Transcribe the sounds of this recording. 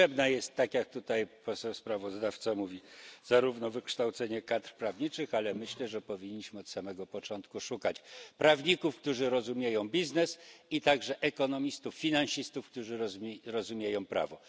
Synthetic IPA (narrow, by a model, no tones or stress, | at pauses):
ɛbnajɛst̪ːakjak̚t̪ut̪ajpɔsɛwspɾavɔzd̪aft̪samuvʲiz̥aɾuvnɔvɘkʂt̪awt̪sɛɲɛkat̪ɾpɾavɲit͡ʂɘxalɛmɘɕlɛʐɛpɔvʲiɲːiɕmɘɔt̪samɛɡɔpɔt͡ʂɔnt̪kuʂukat͡ɕpɾavɲikufkt̪uʐɘɾɔzumʲjejɔ̃w̃bʲiznɛsit̪aɡʐɛʔɛkɔnɔmʲist̪ufːʲinanɕist̪ufkt̪uʐɘɾɔzumʲjejɔ̃w̃pɾa̰vɔ